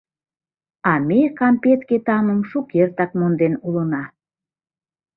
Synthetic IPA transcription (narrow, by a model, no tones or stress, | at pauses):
ɑmekɑmpet̪ket̪ɑməmʃukert̪ɑk̚mond̪enulənɑ